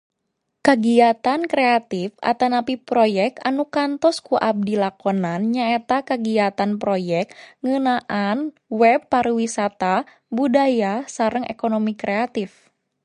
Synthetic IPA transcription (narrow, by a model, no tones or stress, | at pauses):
kaɡiat̪ankɾeat̪ifa̰t̪anapipɾɔjɛk̚t̪anukant̪ɔskuʔab̚dilakɔnanɲaet̪akaɡiat̪anpɾojɛk̚ŋənaʔan | wɛbːaɾwisat̪a | budajasaɾəŋḛkonomikɾɛat̪if